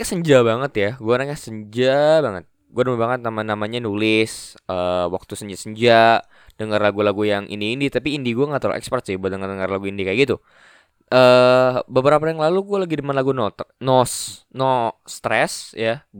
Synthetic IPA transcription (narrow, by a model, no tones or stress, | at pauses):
kasəɲd͡ʒabaŋət̪jaɡuanakasəɲd͡ʒabaŋət̪̚ | ɡuadəmabaŋət̪̚namanamaɲanulɪsəwak̚t̪usəɲd͡ʒasəɲd͡ʒaʔ | d̥əŋarlaɡulaɡujaŋʔḭndiːndit̪apiːndiɡuaŋat̪ɾl̰ɛ̰kspɾɛssɪhbdəŋardəŋarlaɡuindikajaɡit̪u | ʔəbəbəɾapajaŋlaluɡualaɡidəmanlaɡunɔt̪nɔsnɔst̪ɾɛsja